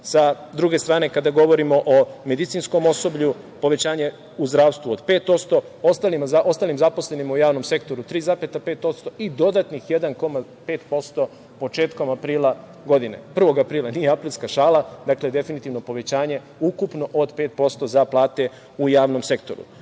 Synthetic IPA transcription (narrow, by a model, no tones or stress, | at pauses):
sa | d̪ɾuɡe̞st̪ɾaːne̞kad̪aɡo̞ʋo̞ɾimo̞ʔome̞d̪it̪sinsko̞mo̞so̞bʎu | po̞ʋe̞t͡ɕaːɲe̞ | uzd̪ɾaːʋst̪ʋuod̪pe̞ːt̪o̞t̪st̪o̞ | ost̪alimazao̞st̪aːlimzapo̞sle̞nimujaːʋno̞mse̞kt̪o̞ɾut̪ɾiːzapet̪ape̞ːt̪o̞t̪st̪o̞id̪o̞d̪at̪nixje̞d̪anko̞mape̞ːt̪po̞st̪o̞ | po̞t͡ʃe̞ːt̪ko̞mapɾiːlˠa | ɡo̞d̪ine̞̰pr̩ʋo̞ɡapɾiːlˠanijeapɾiːlʲskaʃaːlˠad̪akled̪e̞finit̪iʋno̞po̞ʋe̞t͡ɕaːɲe̞ | ukupno̞ʔod̪peːt̪̚po̞st̪o̞zaplˠaːt̪e̞ | ujaːʋno̞mse̞kt̪o̞̰ɾṵ